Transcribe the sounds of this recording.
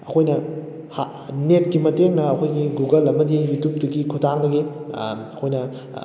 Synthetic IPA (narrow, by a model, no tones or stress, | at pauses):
ɐkʰojnɐ | ha | net̚ɡimɐteŋnɐɐkʰojɡiɡuɡɐlɐmɐdijutup̚dɐɡikʰutaŋnɐɡiɐkʰojnɐ